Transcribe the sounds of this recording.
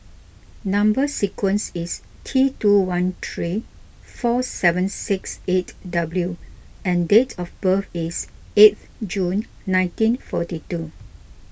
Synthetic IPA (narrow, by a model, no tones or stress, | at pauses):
nãmbəsikwə̃nsis | tʰɹituwãnt̪ʰɹi | fɔsɛvə̃nsɪksetdabljuɛ̃ndetʰɔfbəfis | et̪ | d͡ʒũnː | ãɪ̃ntĩnfɔtitu